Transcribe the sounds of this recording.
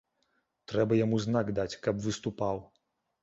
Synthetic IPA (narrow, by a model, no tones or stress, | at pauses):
t̪ɾɛbɐjamuznaɡd̪at͡sʲkɐpvɨst̪upaw